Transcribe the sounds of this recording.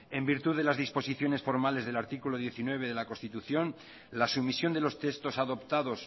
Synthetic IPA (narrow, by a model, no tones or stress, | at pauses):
e̞mbiɾt̪uðelazðispo̞siθjo̞ne̞sfo̞ɾmale̞zðe̞laɾt̪ikuloð̞je̞θinwe̞β̞e̞ðe̞lakonst̪it̪uθjo̞n | lasumisjo̞nd̪e̞lo̞st̪est̪o̞saðo̞pt̪aðo̞s